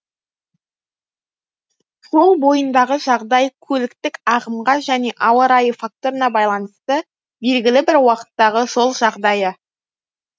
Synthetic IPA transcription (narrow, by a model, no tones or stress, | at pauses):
so̞lˠbo̞jənd̪ɑʁəʒɑʁd̪ɑjkʲʰɵlɪkt̪ɪkɑʁəmʁɑʒæne̞ʔɑwəɾɑjəfak̚t̪o̞ɾənɑbɑjlˠɑnəst̪ə | be̞lɡʲɪlɪbɪɾwɑqə̥t̪ːɑʁəʒo̞lˠʒɑʁd̪ɑjə